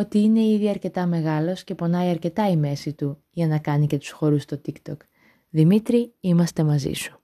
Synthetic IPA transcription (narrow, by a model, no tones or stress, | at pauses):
o̞t̪iine̞iðiɐɾce̞t̪ɐme̞ɣɐlo̞sce̞po̞nɐiɐɾce̞t̪ɐime̞sit̪u | ʝɐnɐkɐnice̞t̪u̥sxo̞ɾust̪o̞t̪ikt̪o̞k | ðimit̪ɾiimɐst̪e̞mɐzḭsu̥